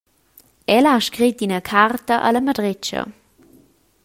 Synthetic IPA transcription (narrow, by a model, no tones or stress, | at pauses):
ʔɛlaʃkʁit̚inəkʰartəʔə̰ləmadʁɪt͡ʃə̰